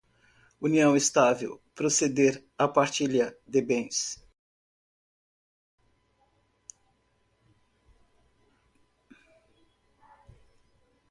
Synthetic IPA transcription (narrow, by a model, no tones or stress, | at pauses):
uniɐ̃w̃est̪avḛwpɾosed̪eɾapaɾt͡ʃilɐd̪ebẽj̃s